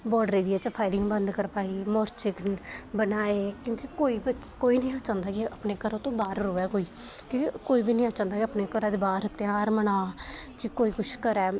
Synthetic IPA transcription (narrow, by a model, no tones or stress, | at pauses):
bɔːɖɾeːɽijaːt͡ʃəpʰaːɪlɪ̃ŋɡbənd̪kəɾpaːiːmɔːɾt͡ʃɪknbənaːeːkjõːkikoːiːbəkoːiːnəĩːãːt͡ʃãːnd̪aːkiəpneːkəɾõːt̪õːbaːɾɾoːɛːkoːiːkikoːiːbiːnəĩãːt͡ʃãːnd̪aːkiəpneːkəɾãːd̪eːbaːɾət̪ːẽaːɾmənaːkɪkoːiːkʊt͡ʃʰkəɾɛː